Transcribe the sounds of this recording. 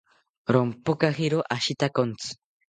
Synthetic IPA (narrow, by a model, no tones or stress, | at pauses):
ɾompokaxiɾoʔaʃit̪akont͡sɨ̥